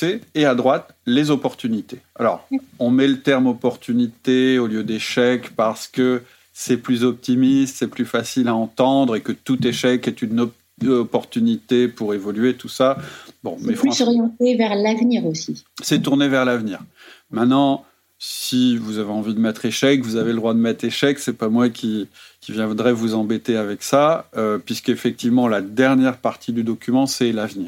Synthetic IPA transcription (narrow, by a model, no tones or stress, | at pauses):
eead̪ʁwat̪ | lezɔpɔʁt̪ynit̪ea̰lɔ̰ʁɔ̃mɛlət̪ɛʁmɔpɔʁt̪ʰynit̪eoljød̪eʃɛkpaʁsə̥kə | sɛplyzɔp̚t̪imist̪sɛplyfasilaɑ̃t̪ɑ̃d̪ʁekət̪ut̪eʃɛkɛt̪ynɔ | ɔpɔʁt̪ynit̪epuʁevɔlɥet̪usabɔ̰̃mɛfɑ̃sɔʁjɑ̃t̪evɛʁlavniʁosisɛt̪uʁnevɛʁlavniːʁmɛ̃t̪nɑ̃ | sivuzaveɑ̃vid̪əmɛt̪χeʃɛkvuzaveləd̪ʁwad̪əmɛt̪χeʃɛksɛpamwakʲʰikʲivjɛ̃d̪ʁɛvuzɑ̃bet̪eavɛksaøpɥiskefɛk̚t̪ivmɑ̃lad̪ɛʁnjɛʁpaʁt̪ʰid̪yd̪ɔkʲymɑ̃sɛlavniːʁ